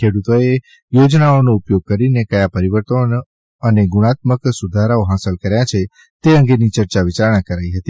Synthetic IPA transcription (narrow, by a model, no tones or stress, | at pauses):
kʰeɽut̪oe | jod͡ʒnaonoupjoɡ̚kəɾinekəjapəɾiʋəɾt̪on | əneɡuɽ̃at̪məksud̪ʱaɾaoɦasəlkəɾjat͡ʃʰe | t̪eə̃ŋɡenit͡ʃəɾt͡ʃaʋɪt͡ʃaɾɳ̃akəɾaiɦət̪i